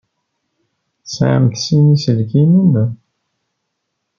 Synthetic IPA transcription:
sʕə̰mθsinisəlkinin

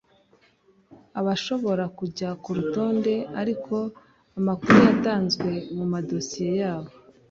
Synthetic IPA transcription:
aβaʃo̞βo̞ɾakuɟakuɾuto̞ːnde̞aɾikʰo̞ | amakuɾujataːnzɡwe̞mumado̞sije̞jaːβo

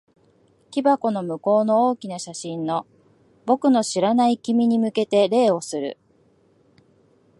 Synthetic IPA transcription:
kʲibako̞no̞mɯ̟ko̞ːno̞oːkʲinaɕaɕĩnːo̞ | bo̞kɯ̟no̞ɕiɾanaikʲimʲiɲ̟imɯ̟ke̞t̪e̞ɾe̞ːo̞sɨɾɯ̟̰

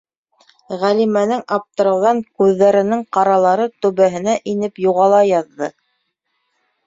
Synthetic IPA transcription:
ʁælimænɘŋɑp̚t̪ɤ̆ɾɤ̆wðɑŋkʉðːæɾɘ̆nɘŋqɑɾɑlˠɑɾɤt̪ɵ̆βæɦɘ̆næʔinɘpjuʁɑlˠɑjɑðːɤ

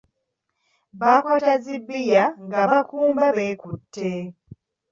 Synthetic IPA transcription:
βakotazibːijaŋɡaβakuːmbaβe̞ːkutʰːe

